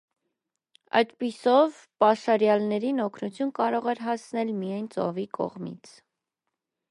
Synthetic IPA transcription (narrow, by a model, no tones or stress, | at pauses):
ɑ̰jd̪pisɔv | pɑʃɑɾjɑlnɛɾinɔkʰnut͡sʰjunkɑɾɔʁɛɾɦɑsnɛlmijɑjnt͡sɔ̰vikɔ̰ʁmḭt͡sʰ